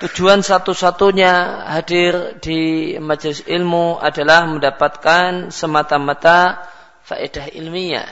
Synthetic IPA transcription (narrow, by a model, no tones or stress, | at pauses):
t̪ud͡ʒuansat̪usat̪uɲaɦadɪrdimad͡ʒlɪsilmuʔa̰dalahməndapat̪̚kansəmat̪amat̪a | fa̰ʔedaɦḭlmiɲa̰